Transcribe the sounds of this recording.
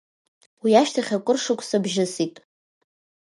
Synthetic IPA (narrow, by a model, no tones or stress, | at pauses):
wiaʃtʰaχʲakʷʼʊrʂɨkʷʰʼsabʒɪsitʼ